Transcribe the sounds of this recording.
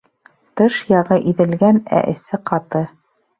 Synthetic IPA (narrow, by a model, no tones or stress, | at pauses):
t̪ɤʃjɑʁɤʔiðɘ̆lɡænæ̰ʔɘ̆sɘqɑt̪ɤ